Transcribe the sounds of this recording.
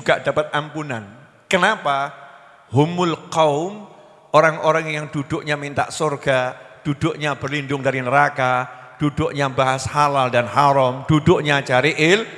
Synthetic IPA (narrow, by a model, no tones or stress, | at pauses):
ukaʔd̥apat̪̚ampunan | kənapa | hʊmʊlqawʊm | ʔoɾaŋoɾaŋjaŋdud̥ʊʔɲamint̪a̰ʔsorɡad̥udʊʔɲabərlindʊŋdaɾinəɾaka | d̥udʊʔɲabaɦashalaldanhaɾɔmd̥udʊʔɲat͡ʃaɾiʔɪl